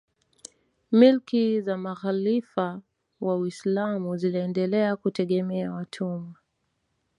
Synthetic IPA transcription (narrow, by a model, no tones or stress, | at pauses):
milkizamaɣalifa | wawislamuziliɛndɛlɛakutɛɠɛmɛawatʰuma